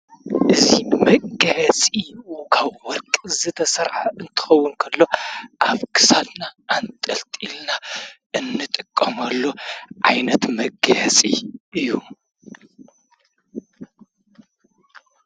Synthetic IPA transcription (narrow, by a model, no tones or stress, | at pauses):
ʔɨzimɐɡɐʕɐsʼiʔukʰaβwɔɾkʼzɨt̪ʰɐsɐɾʕaɨnt̪ʰɨ̥xɐwːʊnkʰɐlːo̞ʔaβkʰɨ̥sad̪naːnt̪ʼɐlt̪ʼilna | ɨnːɨt̪ʼɨkʼːɐmɐlːo̞ʕajnɐt̪mɐɡɐʕsʼḭʔɨjːu